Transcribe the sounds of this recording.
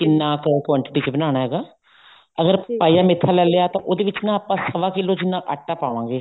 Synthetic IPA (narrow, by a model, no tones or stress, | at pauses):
kɪnːãːkəkwaːɳʈːʈiːt͡ʃbənaːnaːɦɛːɡaː | əɡəɾpaːijaːmɪt̪ʰːaːlɛːleaːt̪ãʔoːd̪eːʋɪt͡ʃnãːaːpːãːsəʋaːkɪlːoːd͡ʒɪnːãːʔəʈːaːpaːʋãːɡeː